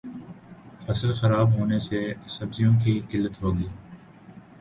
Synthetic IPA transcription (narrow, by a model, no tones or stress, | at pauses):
fɐslxɐɾaːbɦoːnesesɐbzijõk̬iqɪlːət̪ɦoːɡiː